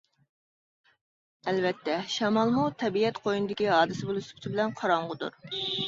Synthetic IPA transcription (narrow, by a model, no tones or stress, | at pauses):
ɛlvɛt̪ʰːɛʃɑmɑlˠmut̪ʰɛbiɛt̪qʰojinɨd̪ɪkʲiɦɑːd̪ɨsɪbolˠuskʲʰt̪ʰɪbɪlɛnqʰɑɾɑɴʁʊd̪ṵɾ